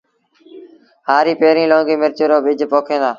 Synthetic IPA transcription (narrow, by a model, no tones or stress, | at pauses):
ɦaːɾiːpeːɾĩːlõːŋɡiːmɪɾt͡ʃʊɾoːɓɪd͡ʒʱpoːkʰẽːnd̪aː